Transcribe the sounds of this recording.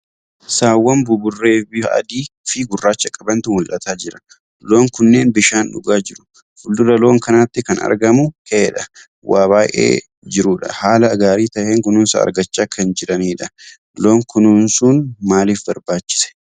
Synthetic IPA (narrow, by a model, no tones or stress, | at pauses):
saːwːɐmbʊbʊrːe̞ːbɪɐ̰d̪iːfɪɡʊrːaːt͡ʃːɐkʼɐbɐnt̪ʊmʊlʔɐt̪aːd͡ʒɪɾɐ | lo̞ːŋkʊnːe̞ːnbɪʃaːnᶑʊɡaːd͡ʒɪɾʊ̥ | fʊld̪ʊɾɐlo̞ːŋkɐnaːt̪ːɪkɐnɐ̰ɾɡɐmʊheːᶑɐ | waːβaːjʔʔḛː | d͡ʒɪɾʊᶑɐ̰haːlɐːɡaːɾiːt̪ɐheːŋkʊnʊnsɐ̰ɐ̰ɾɡɐt͡ʃːaːkʰɐnd͡ʒɪɾɐniːᶑɐ | lo̞ːŋkʊnʊnsuːnmaːliːfbɐɾbaːt͡ʃːɪ̥sɛ̥